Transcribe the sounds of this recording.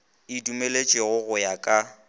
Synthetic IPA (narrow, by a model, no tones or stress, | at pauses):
ɪdumelet͡ʃʼɪɣʊɣʊjakʼa